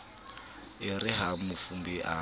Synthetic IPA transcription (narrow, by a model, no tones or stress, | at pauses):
ɪrɪɦamufumbiʔa̰